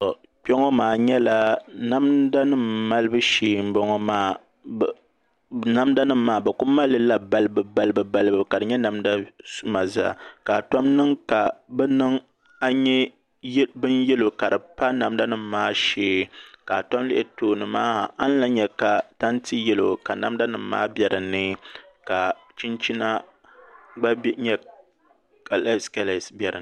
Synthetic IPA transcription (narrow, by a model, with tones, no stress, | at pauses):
ɔ˨ | k͡pɛ˦ŋɔ˦maː˨ɲɛ˦la˦na˦mda˦nɨ˦mma˦lɨ˦bɨ˦ʃeː˨m̩˦bɔ˦ŋɔ˦maː˦ | na˦mda˦nɨ˦m̩ː˦aː˦bɛ˨kʊ˦mːa˦lːɨ˦la˦ba˦lɨ˦bɨ˨ba˦lɨ˦bɨ˨ba˦˨lɨ˦bɨ˨˦ka˨dɨ˨ɲɛ˦na˨mda˦su˦ma˨za̰˦˨ka˨tɔ˦mnɨ˦ŋka˨bɛ˦nɨ˦ŋ | a˦ɲɛ˦ | bɨ˦njɛ˦lo˨ka˨dɨ˨pa˦na˨mda˦nɨ˨m̩˦maː˦ʃeː˦ka˨tɔ˦mlɪ˦ʔɪ˦toː˦nɨ˨maː˦˨a˦n̩˦la˦ɲɛ˦ka˨ta˦nti˦jɛ˦lo˨ka˨na̰˨mda˦nɨ˨m̩˦ma̰ː˦bjɛ˨ɾɨ˨nɨ˦ | ka˨ | t͡ʃi˦nt͡ʃi˦na˦ | ɡ͡ba˦bɲɛ˦ | ka˨lska˦la˨sbjɛ˨ɾɨ̰˨˦